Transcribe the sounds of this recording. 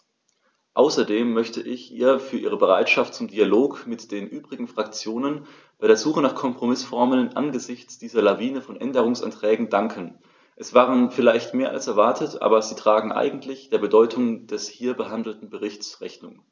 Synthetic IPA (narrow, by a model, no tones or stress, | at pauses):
ʔaʊsɐdeːmːœçtʰəʔɪçʔḭːɐfyːɐʔiːʁ̞əbəʁa̰ɪtʃaftt͡sʊmdialoːkmɪtd̥eːnʔyːbʁɪɡŋ̩fʁ̥akt͡sjoːnən | b̥aɪɾeːɐzuːχənaːχkʰɔmpʁ̥omɪsfɔɐməlnʔa̰nɡəzɪçt͡sd̥iːzɐlaviːnəfɔnʔɛndəʁ̞ʊŋsʔa̰ntʁ̥ɛːɡŋ̩daŋkʰən | ʔɛsv̥aːʁ̞ənfɪlaɪçtmeːɐʔa̰lsɛɐvaɐtʰətʔa̰ːbɐziːtʁ̥aːɡŋ̩ʔa̰ɪɡŋ̩tʰlɪçd̥eːɐbədɔʏtʰʊŋd̥ɛshiːɐbəɦandl̩tn̩bəʁɪçtt͡sʁɛçnʊ̰ŋ